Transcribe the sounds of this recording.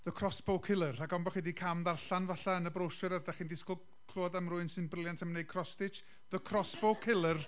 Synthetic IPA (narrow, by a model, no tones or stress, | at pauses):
ðəkʰrɔsb̥owkʰɪlˠəraɡɔmbɔχidikʰamðarɬanvaɬaənəbrowʃɔɾəðdɛχindɪskɔlˠ | kʰl̥uɔdəmrʊɨnsɨnbrɪljantʰəmnej̚kʰrɔstɪt͡ʃ | ðəkʰrɔsb̥owkʰːɪlˠər